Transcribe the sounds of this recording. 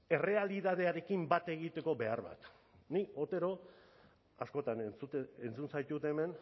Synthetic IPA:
e̞re̞aliðað̞e̞aɾe̞kimbat̪e̞ɣit̪e̞ko̞be̞aɾβa̰t̪ | nio̞t̪e̞ɾo̞ | asko̞t̪anet͡suent͡sunsajt̪ut̪eme̞n

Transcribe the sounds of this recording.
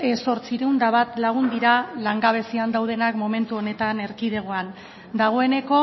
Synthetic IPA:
eso̞ɾt͡siɾeund̪aβat̪laɣ̞und̪iɾalaŋɡaβ̞e̞siand̪awð̞e̞nakmo̞me̞nt̪uo̞ne̞t̪ane̞ɾkiðe̞ɣ̞o̞an | d̪aɣ̞o̞e̞ne̞ko̞

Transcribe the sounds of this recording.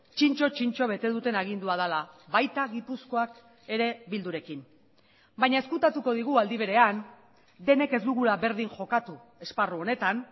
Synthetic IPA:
t͡ʃint͡ʃo̞t͡ʃint͡ʃo̞β̞e̞t̪e̞ðut̪e̞naɣ̞ind̪uað̞alaβajt̪aɣipusko̞ak | e̞ɾe̞βild̪uɾe̞kin | baɲae̞skut̪at̪uko̞ð̞iɣ̞uald̪iβ̞e̞ɾe̞an | d̪e̞ne̞ke̞zd̪uɣulaβe̞ɾðiŋʝo̞kat̪u | e̞sparuo̞ne̞t̪an

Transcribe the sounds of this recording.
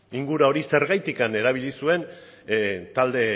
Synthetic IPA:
iŋɡuɾao̞ɾise̞ɾɣajt̪ikane̞ɾaβ̞iʎisue̞n | t̪ald̪e̞

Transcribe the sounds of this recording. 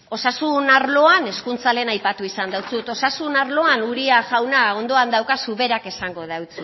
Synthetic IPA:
o̞sasunaɾlo̞ane̞skunt͡sale̞ːnajpat̪uisand̪awt͡sut̪o̞sasunaɾlo̞anuɾiaʝawnao̞nd̪o̞and̪awkasuβe̞ɾake̞saŋɡo̞ðawt͡su

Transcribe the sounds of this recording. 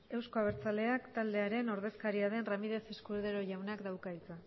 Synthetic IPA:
e̞wsko̞aβeɾt͡sale̞akt̪ald̪e̞aɾe̞no̞ɾð̞e̞skaɾiaðe̞nramið̞e̞seskulðeɾo̞ʝawnakd̪awkailt͡sa

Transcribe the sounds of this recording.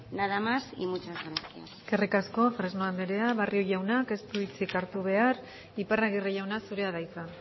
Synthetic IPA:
naðamasḭmut͡ʃazɣɾasia̰skerikasko̞fɾeznoand̪eɾe̞aβarioʝawnake̞st̪uit͡sikaɾt̪uβ̞e̞ar | iparaɣ̞ireʝawnasuɾe̞aðajt͡sa

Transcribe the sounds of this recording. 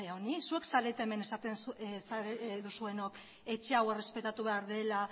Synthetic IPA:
eaonisue̞ksaɾet̪eme̞nesat̪enssaɾeðusue̞no̞k | e̞t͡ʃe̞awe̞re̞spe̞t̪at̪uβe̞aɾðe̞la

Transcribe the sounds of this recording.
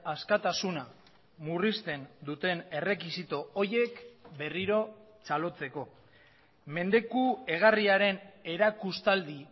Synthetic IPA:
askat̪asuna | murist̪e̞nd̪ut̪e̞ne̞re̞kisit̪o̞oje̞kbe̞riɾo̞ | t͡salo̞t͡se̞ko̞ | me̞nd̪e̞kue̞ɣ̞ariaɾe̞ne̞ɾakust̪ald̪i

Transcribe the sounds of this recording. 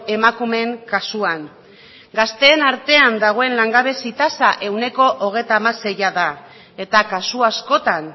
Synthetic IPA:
e̞makume̞ŋkasuaŋ | ɡast̪e̞ːnaɾt̪e̞and̪aɣ̞o̞e̞nlaŋɡaβe̞sit̪asaʔe̞wne̞ko̞ʔoɣ̞e̞jt̪aːmase̞jaða | e̞t̪akasuasko̞t̪an

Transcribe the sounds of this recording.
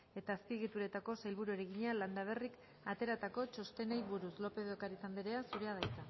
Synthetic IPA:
e̞t̪aːspiɣ̞it̪uɾe̞t̪ako̞sajlβuɾueɾeɣiɲaland̪aβ̞e̞rik | at̪e̞ɾat̪ako̞t͡ʃo̞st̪e̞najβuɾuslo̞pe̞ðokaɾit̪and̪eɾe̞asuɾeað̞ajt͡sa

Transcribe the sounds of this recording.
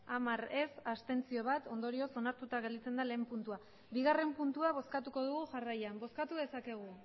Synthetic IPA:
amaɾe̞sast̪e̞nt͡sio̞β̞at̪o̞nd̪o̞ɾio̞so̞naɾt̪ut̪aɣ̞eld̪it͡se̞nd̪ale̞ːmpunt̪ua | βiɣare̞mpunt̪uaβ̞o̞skat̪uko̞ð̞uɣ̞uxarajambo̞skat̪uðe̞sake̞ɣ̞u

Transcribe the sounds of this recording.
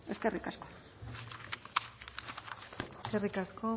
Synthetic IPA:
e̞ske̞rikasko̥ | eske̞rikasko̞

